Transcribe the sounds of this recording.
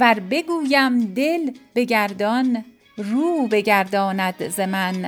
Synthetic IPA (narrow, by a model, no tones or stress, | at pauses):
væɾbe̞ɡuːjæmd̪e̞lbe̞ɡæɾd̪ɒn | ruːbe̞ɟæɾd̪ɒːnæd̪zemæn